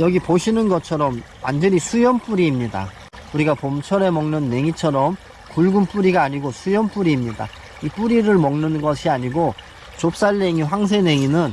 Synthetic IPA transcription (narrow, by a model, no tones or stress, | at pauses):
jʌɡipoɕʰinɯnɡʌt͡ɕʰʌɾʌm | wa̰nd͡ʑʌɲisʰujʌnp͈uɾiːmɲida̰ | uɾiɡapomt͡ɕʰʌɾe̞mʌŋnɯnːe̞ŋit͡ɕʰʌɾʌm | kuɭɡump͈uɾiɡaːɲiɡosʰujʌnp͈uɾiːmɲida̰ | ip͈uɾiɾɯɭmʌŋnɯnɡʌɕʰiaɲiɡo | t͡ɕop̚s͈aɭːe̞ŋiɸwaŋsʰe̞ne̞ŋinɯn